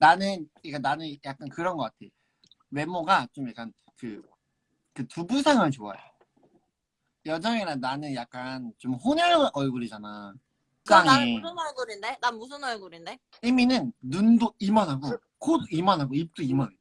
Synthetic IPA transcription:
nanɯnik͈ananɯnjak͈̚ankɯɾʌnɡʌk͈atʰe̞jo | we̞moɡat͡ɕomjak͈an | kɯ | kɯtubusʰaŋant͡ɕoa̰jo | jʌd͡ʑʌŋeɾananɯnjak̚k͈ant͡ɕomɸonʌɭɯɭʔʌɭɡuɾid͡ʑana | kɯaɲɯnʌɭɡuɾindenanmus̬ʰɯnʌɭɡuɾinde | iminɯnːundoimanɦaɡo | kodimanɦaɡoip̚t͈uimani

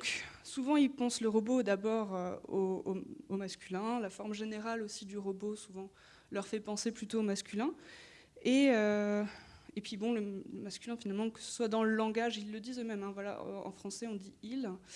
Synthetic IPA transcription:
d̪ɔ̃ksuvɑ̃ilpɑ̃sləʁəbod̪abɔʁøooomaskʲylɛ̃lafɔʁmʒeneʁalosid̪yʁəbosuvɑ̃ | lœʁfɛpɑ̃seplyt̪oomaskʲylɛ̃ | eø | epɥibɔ̃ləəmaskʲylɛ̃finalmɑ̃kə̥sə̥swad̪ɑ̃ləlɑ̃ɡaʒilːəd̪izømɛmɛ̃vwala̰ɑ̰̃fχɑ̃sɛɔ̃d̪iil

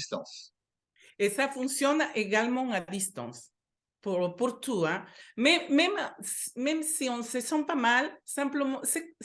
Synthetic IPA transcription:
st̪ãs | esafunsjonaʔeɣalmõŋad̪ist̪õ̰ns | poɾopoɾt̪uamememasmemsiõnsesompamalsãmplomose

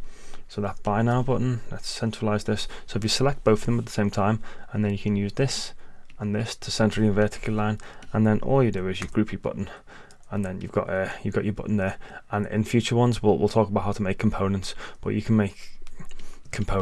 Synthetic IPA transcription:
soʊðətb̥aɪnaʊbʊʔn̩lətsɛ̃nt͡ʃɹ̥əlaɪzðɪssoʊɪfjɨsəlɛk̚b̥oʊθəðə̃mət̪̚ðə̥sẽɪ̃mtʰãɪ̃mə̃nðɨ̃njəkʰɨ̃njʉːzðɪsə̃nðɪstʰəsɛ̃nt͡ʃɹəlˠɪ̃nvɜˑtɪ̥kʰl̩ˠlãɪ̃nə̃nðə̃nʔɔ̰ːlˠjɨdɨɪzjəɡ̥ɹʉˑpʰibʊ̰ʔn̩ | ə̃nðə̃njɨ̰vɡɑ̰ʔʌjɨvɡɑt͡ʃə˞bʊ̰ʔn̩ðə˞ʔə̃nɪ̰̃nfjʉˑt͡ʃə˞wʌ̃nzwɪlˠwɪ̰lˠtʰɔˑkəbaʊʔhaʊtʰəmeɪkʰm̩pʰõʊ̃nə̃ntsb̥ʌ̰t͡ʃəkʰə̃n̩meɪkʰ | ə̃m̩pʰõʊ

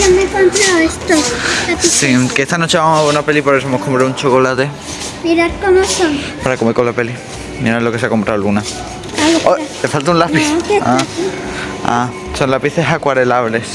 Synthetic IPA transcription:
jomekompɾaoest̪oslapisikeest̪anot͡ʃe̞βamoɦaβeɾunapelipoɾes̬oemokʰompɾount͡ʃoko̞lat̪e | miɾaɾkomosoŋ | paɾakomekolape̞li | miɾaloke̞s̬eako̞mpɾʔawluna | aoot̪efalt̪aũnlapiθkea | a̰ | sonlapiθe̞ɦakwaɾelaβle̞s

